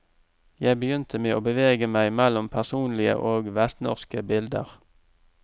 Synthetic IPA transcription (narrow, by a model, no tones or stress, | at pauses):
jæɪbəjʏnt̪ʰəmeːʔoːbəʋeːɡəmæɪmɛlɔmpʰæʁsuːnlɪə̰ʔoːɡʋɛst̪nɔ̰ʁskəbɪld̪ə̰ʁ